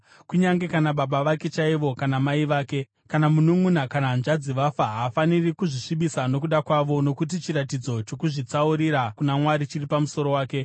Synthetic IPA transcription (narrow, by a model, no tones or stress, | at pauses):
kuɲaŋɡe̞kanaɓaɓaʋake̞t͡ʃaiʋo̞kanamaiʋaːke̞ | kanamunumunakanaːnd͡ʒad͡ziʋafaɦːfanirikuʐiʂiɓisano̞kuɗakwaʋo̞no̞kut̬it͡ʃiɾatid͡zo̞t͡ʃo̞kuʐit͡sauɾiɾakunamwaɾit͡ʃiripamuso̞ɾo̞waːke̞